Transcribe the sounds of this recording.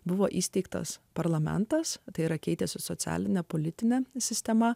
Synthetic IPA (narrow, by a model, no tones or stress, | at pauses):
bʊʋoːʔiːsʲt̪ʲɛɪkt̪ɐ̰spɐɾlˠɐmʲɛ̰nt̪ɐst̪ɐɪiɾɐkʲɛɪt̪ʲesʲɪsɔt̪sʲæ̰ːlʲɪnʲɛpoːlʲɪt̪ʲɪnʲɛsʲɪsʲt̪ʲɛmɐ